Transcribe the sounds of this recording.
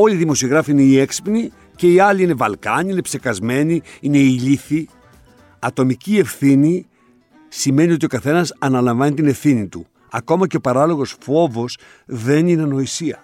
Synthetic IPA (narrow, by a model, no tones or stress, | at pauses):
o̞lʲiðimo̞sio̞ɣɾɐfiine̞ieksi̥pni | ce̞iɐliine̞vɐlkɐɲiine̞pse̞kɐzme̞niine̞iʎiθi | ɐt̪o̞micie̞fθini | sime̞nio̞t̪io̞kɐθe̞nɐsɐnɐlɐɱvɐnit̪ine̞fθinit̪ṵ | ɐko̞mɐce̞o̞pɐɾɐlo̞ɣo̞sfo̞vo̞s | ðe̞nineno̞isiɐ